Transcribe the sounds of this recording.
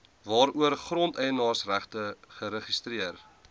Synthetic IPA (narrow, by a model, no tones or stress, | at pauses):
vɑːɾuərχrɔntɛjənɑːrsræχtəχəɾəχistriər